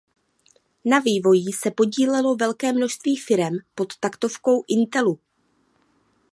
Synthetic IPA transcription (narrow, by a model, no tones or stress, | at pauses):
naviːvo̞jisɛpo̞ɟiːlɛlo̞vɛlkɛːmno̞ʃst̪viːfɪɾɛmpo̞t̪ːakt̪o̞fko̞wʔɪnt̪ɛlu